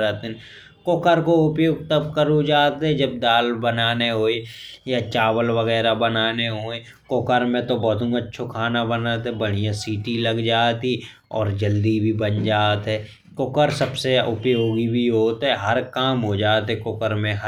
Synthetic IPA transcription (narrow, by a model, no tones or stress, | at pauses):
ət̪n | kʊkəɾkoʊpjoːɡ̚t̪əbkəɾud͡ʒaːt̪ɦɛ̃d͡ʒəb̚d̪aːlbənaːneɦoːejat͡ʃaːwəlʋəɣɛːɾabənaːneɦoːe | kʊkəɾmẽt̪obɔːt̪ʊ̃ŋətːʃʰokʰaːnabənaːt̪ɦɛbəɽ̤ijãsiːʈiləɡd͡ʒaːt̪i | ɔ̰ːɾd͡ʒəld̪ibʱibənd͡ʒaːt̪ɦɛː | kʊkəɾsəbseʊpjoːɡibʱiɦoːt̪ɦɛɦəɾkaːmɦod͡ʒaːt̪ɦɛkʊkəɾmẽɦ